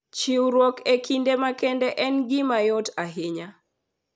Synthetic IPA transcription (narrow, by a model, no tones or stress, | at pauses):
t͡ʃɪwɾwɔkekindemakɛndɛʔɛnɡɪmajotaɦeɲa